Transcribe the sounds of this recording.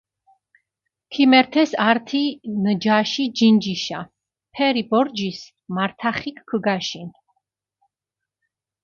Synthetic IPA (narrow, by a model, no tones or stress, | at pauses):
kʰimɛɾt̪ʰɛsaɾt̪ʰinəd͡ʒaʃid͡ʒind͡ʒiʃa̰ | pʰɛɾibɔɾd͡ʒis | maɾt̪ʰaχikʰkʰəɡaʃin